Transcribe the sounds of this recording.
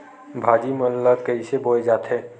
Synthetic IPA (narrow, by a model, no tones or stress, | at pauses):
bʱaːd͡ʒiməllːət̪kəiseboed͡ʒaːt̪ɦɛ̃ː